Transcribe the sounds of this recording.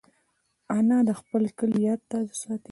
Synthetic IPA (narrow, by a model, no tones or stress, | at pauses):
anɑd̪əxpəlkəljɑt̪t̪ːad̪sɑt̪i